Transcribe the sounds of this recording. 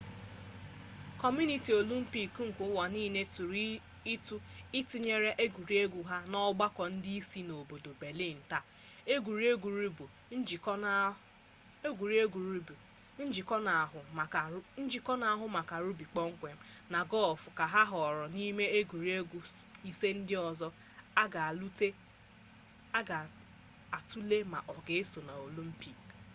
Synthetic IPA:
kɔ˨m˦u˦ni˨ti˨o˨lu˦m̩˦pi˦˨kŋ̩˨kʷʊ˦wa˨niː˦ne˦tu˨ɾ | i˦tu˦ɪ˦ti˦ɲe˦ɾe˦ʔe˦ɡʷu˨ɾi˦e˦ɡu˨ɦa˦nɔ˦ɡ͡ba˦kʷɔ˨n̩˦di˦i˦si˦no˨bo˨do˨be˨li˦˨n̩˨ta˦ | e˦ɡʷu˨ɾi˦e˦ɡu˨ɾi˦bu˨˦˨ | ɡu˨ɾi˦e˦ɡu˨ɾu˦˨ | n̩˦d͡ʒi˨kɔ˦na˨ɦʊ˨˦n̩˦d͡ʒi˨kɔ˦na˨a˦ɦʊ˦ma˨ka˨ɾu˦bi˨k͡pɔ˦ŋ̩˦kʷe˨m̩˦ | na˨ɡɔ˦˨fʊ˨ka˨ɦa˦ɦɔ˨ɾɔ˨ni˦me˦e˦ɡʷu˨ɾi˦e˦ɡu˨ | i˦se˦n̩˦dɪ˦ɔ˨zɔ˦ | a˦ɡa˨lu˦te˦ | a˦ɡa˨ | a˨tu˦le˦ma̰˨ʔɔ˨ɡe˨e˦so˨na˨o˨lu˦m̩˦pi˨k

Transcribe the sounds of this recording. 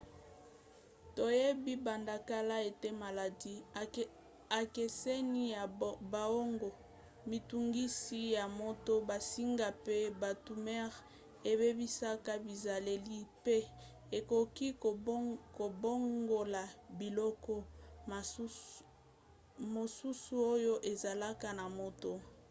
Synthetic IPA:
to˨je˦bi˦ba˨nda˨ka˦la˦e˨te˦ma˨la˨di˦ | a˨ke˨se˦ni˦ja˨ba˨o˦ŋɡo˨ | mi˨tu˨ŋɡi˦si˦ja˨mo˦to˦ba˨si˦ŋɡa˨pe˦ba˨tu˨mɛ˦ʁ | e˨be˦bi˦sa˦ka˦bi˨za˨le˨li˦pe˦ | e˨ko˨ki˦˨ko˨bo˦ŋɡo˨la˨bi˨lɔ˦kɔ˦˨˦ | mo˨su˦su˦o˦jo˦ʔe˨za˨la˦ka˦na˨mo˨to˦

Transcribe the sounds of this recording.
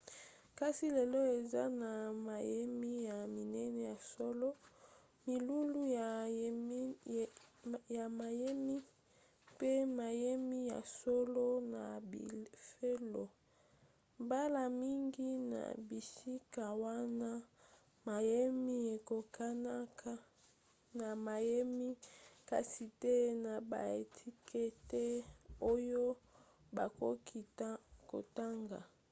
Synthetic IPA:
ka˦si˦le˨lo˦e˨za˦na˨ma˨je˦mi˦ja˨mi˨nɛ˦nɛ˨ja˨so˦lo˦ | mi˨lu˦lu˦˨˦ | ja˨ma˨je˦mi˦ | pe˦ma˨je˦mi˦ja̰˨so˦lo˦na˨bi˨fe˦lo̰˨ | mba˦la˨mi˦ŋɡi˦na̰˨bi˨si˦ka˨wa˦na˦ | ma˨je˦mi˦e˨ko˨ka˦na˦ka˦ | na˨ma˨je˦mi˦ka̰˨si˨te˦na˨ba̰˨e˨tʰi˦kʰe˦te˦o˦jo˦ | ba˨ko˦kʰi˨tko̰˨ta˦ŋɡa̰˨

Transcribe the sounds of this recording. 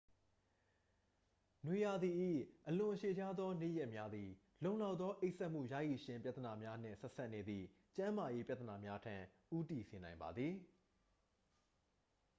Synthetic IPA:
nwe˨ja˨d̪i˨ʔḭ˦˨ʔəlʊ̃˨ʔəʃe˨d͡ʑa˦d̪ðɔ˦nḛ˦˨jɛ˦ʔmja˦d̪ði˨ | lõ˨ʊ̃la˦ʊt̪ːðɔ˦ʔe˦ɪʔsɛ˦ʔm̥ṵ˦˨jä̰˦˨ji˨ʃɪ̃˨mpja˦t̪ːəna˨mja˦n̥ɪ̰̃˦˨sɛ˦ʔsa˦ʔne˨d̪ðḭ˦˨ | t͡ɕã˦ma˨je˦pja˦t̪əna˨mja˦tʰã˦ʔu˦ti˨se˨nã˨ɪ̃mba̰˨d̪ði˨

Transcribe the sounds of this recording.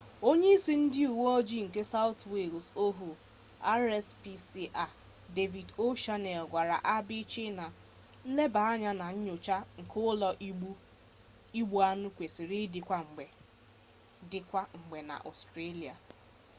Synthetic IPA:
o˦ɲe˦i˦si˦n̩˦dɪ˦u˨wo˦ɔ˦d͡ʒi˦ŋ̩˨ke˦sa˦ʊ˦twe˨lso˦ɦu˨ | a˦ɾɛ˦spi˦si˦ʔa˨ | de˦vi˨do˦ʃa˦ne˨lɡʷa˨ɾa̰˨ʔa˦bɪ˦t͡ʃe˦na˨ | n̩˦le˦ba˨a˦ɲa˦na˨ɲ̩˦ɲʊ˨t͡ʃa˦ŋ̩˨kʰʊ˦ʊ˦lɔ˦ʔu˦ | i˦ɡ͡bu˨a˦nʊ˦kʷe˨si˨ɾɪ˦dɪ˨kʷa˦ŋ͡m̩˨ɡ͡be˨ | dɪ˨kʷa˦ŋ͡m̩˨ɡ͡be˨na̰˨ʔɔ̰˨stɾe˦li˨a̰˨

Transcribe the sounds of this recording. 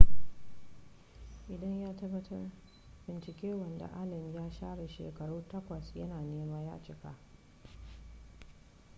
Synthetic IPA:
ʔɪ˨dɐ˦ɲjaː˦tɐ˦bːɐ˦tʰɐ˦r | bɪ˨nt͡ʃɪ˨kʲeː˦wɐ˨nda̰˨ʔaː˦lɐ˨mjaː˦ʃaː˦ɽa˨ʃḛː˨kɐ˨ɽuː˦tɐ˦kʷɐ˨sjɐ̰˦naː˨neː˦maː˦ja̰ː˦t͡ʃɪ˦˨ka̰˦ʔ

